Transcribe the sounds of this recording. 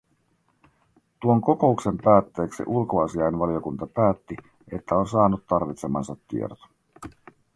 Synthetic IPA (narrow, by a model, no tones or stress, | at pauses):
t̪uoŋko̞ko̞ukse̞mpæːt̪ːe̞ːksḭʔulkoɑsiɑjnʋɑlio̞kunt̪ɑpæːt̪ːi | e̞t̪ːæo̞nsɑːnut̪t̪ɑrʋit̪se̞mɑ̰nsɑt̪ːḭḛrt̪o̥